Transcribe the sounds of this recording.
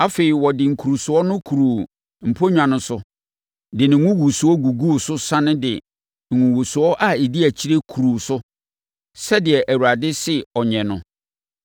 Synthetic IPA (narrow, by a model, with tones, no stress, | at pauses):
a˦fe˨i˨wɔ˨dɪ˨ŋ̩˨kʰu˨ɾu˨sʊ˨ɔ˦nʊ̃˦kʰu˨ɾu˨ | m̩˨pʰo˦ɲᶣã˨nʊ̃˦sʊ˦ | dɪ˨nɪ̃˨ŋũ˦wu˨su˨˦ɔ˦ɡu˨ɡu˦˨sʊ˦sã˦nʊ̃˦dɪ̰˨ | ŋ̩˨ŋũ˨wu˨su˨ɔ˦ʔa˦˨e˨di˦æ˨t͡ɕʰi˦ɾe˦kʰu˨ɾu˨sʊ˦ | sɛ˦dɪ˨ɛ˨ʔæ˨wu˨ɾa˨dɪ˦sɪ˦ɔ˨ɲɛ̃˨nʊ̃˦